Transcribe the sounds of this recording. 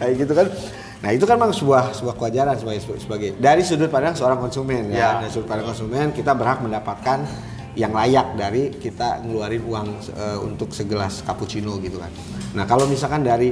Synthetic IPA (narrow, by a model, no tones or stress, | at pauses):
ajɡit̪ukan | naɦit̪ukanmŋsəbuahsəbuahkəad͡ʒaɾansəbaɡasəbaɡajdaɾisudʊt̪̚padaŋsəoɾaŋkɔnsumɛnjadaɾisudʊt̪̚padaŋkɔnsumɛnkit̪abərɦak̚məndapat̪̚kan | jaŋlajak̚daɾikit̪a̰ŋəluaɾɪnuaŋ | əṵnt̪ʊksəɡəlaskaput͡ʃinoɡit̪uka̰nː | akalowmis̬alkandaɾi